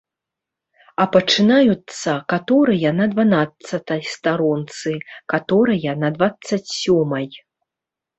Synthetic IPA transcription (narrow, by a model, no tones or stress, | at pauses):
ɐpɐt͡ʂɨnajut̪sːɐkat̪ɔɾɐjɐnɐd̪vanat̪sɐt̪ɐjst̪aɾɔnt̪sɨkat̪ɔɾɐjɐnɐd̪vat̪sɐt͡sʲsʲɔmɐj